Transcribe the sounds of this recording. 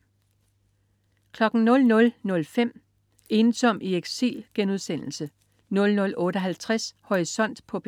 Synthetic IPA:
kʰlɒ̽ɡ̥n̩nɔ̽lnɔ̽lnɔ̽lfem̰ | e̝ːnsɒ̽m̰ieɡ̥sḭlɡ̥enuð̞ˠsen̰l̩sə | nɔ̽lnɔ̽lʔɔ̽ːɾəɦælt͡sʰʁashoʁisɒ̽n̰d̥pʰɒ̽b̥

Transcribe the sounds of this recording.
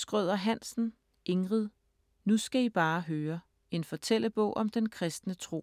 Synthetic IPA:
sɡ̥ʁœð̞̰ˠɐɦæn̰sn̩ | e̝ŋʁiðˠ | nusɡ̥æib̥ɑ̈ːɦøːɐ | e̝nfɒ̽t͡sʰel̰əb̥ɔ̰̽ʊ̰ʔɒ̽md̥enkʰʁɛsd̥nət͡sʰʁo̝̰ː

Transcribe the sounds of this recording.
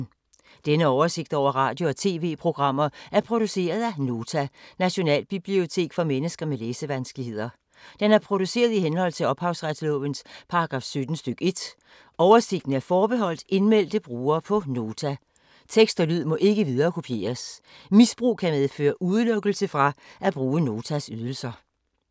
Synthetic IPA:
d̥enəɒʊɐse̝ɡ̥̚d̥ɒʊ̰ɐʁɑ̈ːd̥jo̝ɒ̽t͡sʰe̝̰ːʋe̝̰ːpʰʁo̝ɡ̥ʁɑ̈m̰ɐæɐpʰʁo̝d̥use̝̰ːɐð̞ˠæno̝ːt͡sʰænæɕo̝nɛ̰ːlb̥ib̥lio̝t͡sʰe̝̰ːɡ̥fɒ̽menəsɡ̥ɐmeleːsəʋænsɡ̥lihe̝ð̰ˠɐ | d̥enæɐpʰʁo̝d̥use̝̰ːɐð̞ˠihenhɒ̽l̰t͡sʰe̝lɒ̽b̥hɑ̈ʊsʁad̥slɔ̽ʋənspʰɑ̈ɑɡ̥ʁɑ̈ːfsød̥n̩sd̥øɡ̥e̝d̥ | ɒʊɐse̝ɡ̥n̩əæɐfɒːb̥e̝ɦɒ̽l̰d̥e̝nmel̰d̥əb̥ʁuːɐːpʰɒ̽no̝ːt͡sʰæ | t͡sʰeɡ̥sd̥ɒlyð̞̰ˠmɒ̽ʔe̝ɡ̥əʋið̞ˠɐːkʰo̝pʰje̝̰ːɐsmisb̥ʁṵːkʰæmeð̞ˠfø̰ːɐʔuð̞ˠlɔɡ̥əl̩səfʁɑ̈ʔæb̥ʁuːəno̝ːt͡sʰæsyð̞ˠl̩sɐ

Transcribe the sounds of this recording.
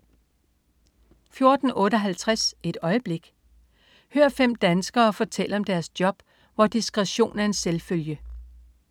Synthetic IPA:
fjo̝ɐd̥n̩ʔɔ̽ːɾ̥əɒ̽ɦælt͡sʰʁase̝d̥ɒ̽ɪəb̥le̝ɡ̥ | høːɐfem̰d̥ænsɡ̥ɐːfɒ̽t͡sʰel̰əɒ̽md̥æɐsd̥jɒ̽b̥ | ʋɒd̥isɡ̥ʁɛɕo̝̰ːn̩æɐe̝nselføljə

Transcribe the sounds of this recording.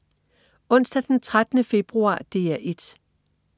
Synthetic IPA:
ɔ̽n̰sd̥æd̥ent͡sʰʁad̥ənəfe̝b̥ʁuɑ̰̈ːd̥e̝ːæʔe̝d̥

